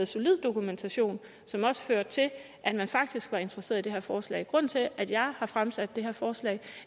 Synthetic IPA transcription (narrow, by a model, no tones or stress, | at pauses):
ð̩ˠso̝lið̞̰ˠd̥o̝kument͡sʰæɕo̝̰ːn | sɒ̽mɒ̽sə̥føɐ̰d̥̚t͡sʰe̝l | ʔæd̥mænfɑ̈ɡ̥̚d̥isɡ̥ʋɑ̈e̝nd̥ʁɐse̝̰ɐid̥e̝ɦæɐfɒːslɛ̰ːɪɡ̥ʁɔ̽n̰n̩t͡sʰe̝ʔæd̥jɑ̈ɪhɑ̈fʁamsæd̥ːe̝ɦæɐfɒːslɛ̰ɪ